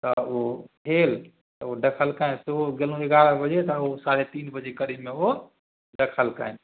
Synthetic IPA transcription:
t̪əopʰeːl | t̪əoɖəkʰəlkaẽseoɡelũeɡaɾəɦbəd͡ʒet̪əosaɾet̪iːnbəd͡ʒekəɾimːẽo | ɖəkʰəlka̰en

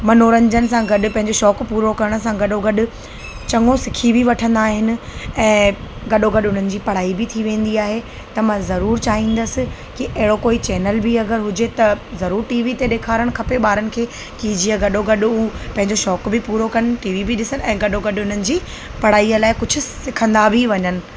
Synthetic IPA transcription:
mɐnoːɾɐ̃ɲd͡ʑənɪ̆sãɡɐɗʊ̆pɐ̃ɦɪ̃ɲd͡ʑoʃɔːkpuːɾokɐɾəɽ̃ʊsãɡɐɗoɡɐɗʊ̆ | t͡ɕɐŋɡosɪkʰibʱiʋɐʈʰə̃nd̪aːɦɪnɪ̆ɛ̃ːɡɐɗoɡɐɗʊn̤ənɪ̆d͡ʑiːpɐɽ̤aːibɪt̪ʰiʋẽːn̆d̪iaːɦe | t̪ɐmãzɐɾuːɾt͡ɕaːɦĩːn̆d̪əsɪ̆ | kiʔɐɦɪɽokoːit͡ɕɛːnəlbiɐɡəɾɦʊd͡ʑet̪ɐzɐɾuːɾʈiːʋit̪eɗeːkʰaːɾəɽ̃kʰɐpeɓaːɾənɪ̆kʰeː | kid͡ʑiːəɡɐɗoɡɐɗʊupɐ̃ɦɪ̃ɲd͡ʑoʃɔːkbɪpuːɾokɐnɪʈiːʋibɪɗɪsəñɛ̃ːɡɐɗoɡɐɗʊn̤ənɪ̆d͡ʑiː | pɐɽ̤aːiəlaːɪkʊd͡ʑʱʊ̆sɪkʰə̃nd̪abʱiʋɐɲənɪ̆

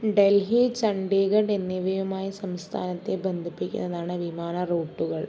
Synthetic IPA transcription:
ɖelɦit͡ɕɐɳɖeːɡɐɖenːiʋɐjumaːjisɐmst̪ʰa̰ːnɐt̪ːebend̪ʱipːikʲːṵnːɐðaːɳɨʋimaːnɐroːʈːuɣɐɭ

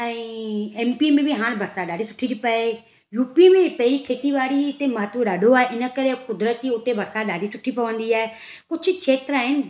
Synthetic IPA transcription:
ɛ̃ːeːmpimẽbɪɦaːɽ̃bʱɐɾsaɗaːɖisʊ̥ʈʰĩd̪ipae | juːpimẽpɐɦɪɾikʰeːt̪iʋaːɽit̪emaːt̪ɾoɗaːɖʱoaːɦeʔɪnə̆kɐɾekʊd̪ɾət̪iʊt̪ebʱɐɾsaɗaːɖisʊʈʰipɐʋə̃nd̪iaːɦe | kʊd͡ʑʱʊ̆t͡ʃʰeːt̪ɾaːɦɪnɪ̆

